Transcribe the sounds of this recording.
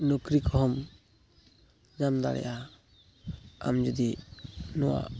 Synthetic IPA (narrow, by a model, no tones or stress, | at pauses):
nukɾikʰɔɦɔm | d͡ʒamd̪a̰ɽɛ̰jʔa | a̰md͡ʒɔd̪inɔwa̰